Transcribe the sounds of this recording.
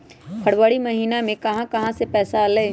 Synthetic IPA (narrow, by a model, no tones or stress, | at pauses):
pʰɐɽʋaːɽimɐɦiːnamẽkɐɦãkɐɦãsepɛːsaleː